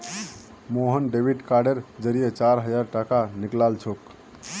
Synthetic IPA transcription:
moɦənɖebʱiɖkaɾɖeɾd͡ʒəɾijet͡ʃaɾɦəd͡ʒaɾʈakaniklalt͡ʃʰok

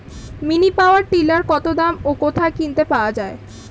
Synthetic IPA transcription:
minipaoaɾʈilaɾkɔt̪od̪amokot̪ʰakint̪epaoad͡ʑae

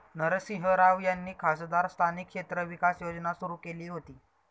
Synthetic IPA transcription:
nəɾsiɦəɾaʋjanːiːkʰasd̪aɾst̪ʰanikʂet̪ɾəʋikasjod͡znasuɾuːkeliːɦot̪iː

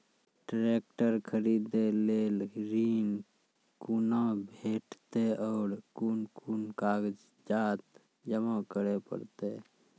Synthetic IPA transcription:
ʈɾekʈəɾkʰəɾid̪elelɾin | kunabʱeʈt̪eʔɔːɾkunkunkaɡd͡ʒ | d͡ʒat̪ | d͡ʒəmakəɾepə̰ɾt̪e

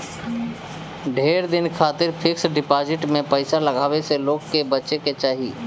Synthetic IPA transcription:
ɖʱeːɾd̪ɪnkʰaːt̪ɪɾpʰɪksɖɪpaːd͡ʒɪʈmẽpəɪsalɐɡʱaːweseloːɡkːebətːt͡ʃeket͡ʃaːɦiː

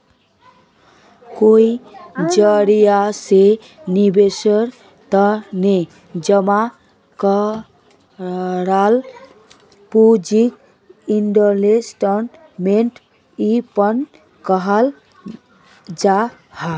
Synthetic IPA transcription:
koid͡ʒəɾijase | nibesəɾ | t̪əne | d͡ʒəma | kə | ɾal | pud͡ʒik̚ | inɖəɾlesʈən | meɳʈ | ipən | kəɦal | d͡ʒa | ha

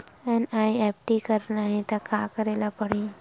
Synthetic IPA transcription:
ɛnajɛp̚ʈikəɾnaɦẽt̪akakəɾelapəɽi

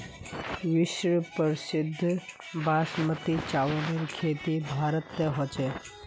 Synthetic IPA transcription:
ʋɪʃɾəpəɾsɪd̪ʱː | bʱaːʃmət̪it͡ʃaːʋəneɾkʰeːt̪ibʱaːɾət̪ːeɦɔt͡ʃe

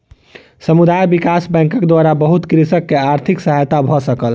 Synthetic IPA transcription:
səmud̪ajbikasbɛ̃kəkd̪ʋaɾabəɦut̪kɾisəkːeaɾt̪ʰiksəɦajt̪abʱɔsəkəl

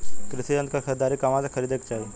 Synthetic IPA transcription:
kɾɪsiə̃nkʰəkʰəɾd̪aːɾikamãsãkʰɐɾiːd̪ekt͡ʃaːɦi

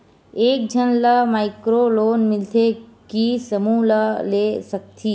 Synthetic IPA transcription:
eːk̚d͡ʒʱənləmaːɪkɾoloːnmɪlt̪ʰekisəmũləleːsək̚t̪ʰiː

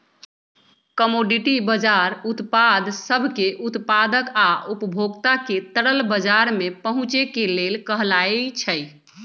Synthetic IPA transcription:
kəmoɖiʈibəd͡ʒaɾut̪pad̪ʱsəbʱkeʔut̪pad̪əkaʔupəbʱoɡt̪aket̪əɽəlbəd͡ʒaɾmepəɦũt͡ʃekelelkəɦlajt͡ʃʰəj

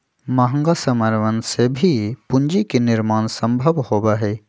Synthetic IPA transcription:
maɦə̃ŋɡasəməɾʋənsebʱipʊ̃nd͡ʒikenɪɾmaːnsə̃mbʱəʋhoːbaɦɛː

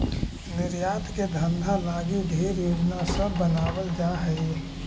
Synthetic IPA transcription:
nɪɾjaːt̪ʰked̪ʱə̃nd̪ʱalaːɡid̪ʱeːɾjoːd͡ʒnasəbːənaːwəld͡ʒaːɦɛi

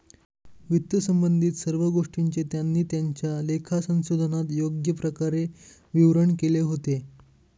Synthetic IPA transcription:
ʋit̪jəsəmbənd̪ʱiːt̪səɾʋəɡoʂʈiɲt͡ɕet̪janːiːt̪jaɲt͡ɕjalekʰasə̃w̃sod̪ʱənat̪joɡjəpɾəkaɾe | ʋiʋɾəɳkeleɦot̪e

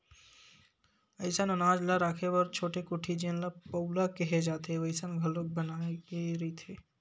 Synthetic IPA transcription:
ɐɪsənənaːd͡ʒlaɾaːkʰeʋəɾt͡ʃʰoːʈekʊʈʰid͡ʒẽnlapəwlakɛɦed͡ʒaːt̪eʋəɪsənɡʱəlok̚bənaːeɾit̪ʰeː

